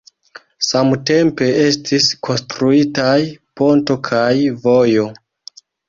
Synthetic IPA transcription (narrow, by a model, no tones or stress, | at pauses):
samte̞mpe̞e̞stiskʰo̞nstɾuitajpo̞nto̞kʰajvo̞jo̞